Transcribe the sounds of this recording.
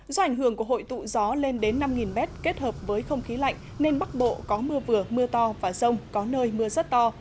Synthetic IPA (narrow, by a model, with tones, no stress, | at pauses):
zɔ˧ʔa˧˩jŋ̟ɦɨ˧˩əŋku˧˩əɦho̰˧˨jt̪ṵ˧˨zɔ˨˦le˧nɗe˨˦nːa˧mŋi˨˩nmɛ˦˥t̚ke˦˥t̚həː˨˩p̚vəː˨˦jxə˧wŋ͡mxi˨˦la̰˧˨jŋ̟ | ne˧nɓa˦˥k̚ɓo̰˧˨kɔ˨˦mɨ˧əvɨ˨˩əmɨ˧ət̪ɔ˧vaː˨˩zə˧wŋ͡mkɔ˨˦nəː˧jmɨ˧əzə˦˥t̚t̪ɔ˧